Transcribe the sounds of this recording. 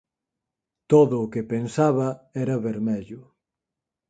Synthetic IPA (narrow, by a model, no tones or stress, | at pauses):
t̪oðʊːkepensaβɐɛɾɐβeɾmɛʎʊ